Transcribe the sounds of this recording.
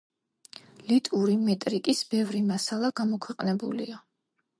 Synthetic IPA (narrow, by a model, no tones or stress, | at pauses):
lit̪ʼuɾimɛt̪ʼɾikʼisbɛvɾimasalˠaɡamɔkʰwɛqʼnɛbṵlḭa